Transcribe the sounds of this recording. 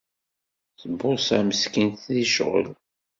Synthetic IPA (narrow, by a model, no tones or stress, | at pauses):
θəbːʊsæməskinθðiʃʁə̰l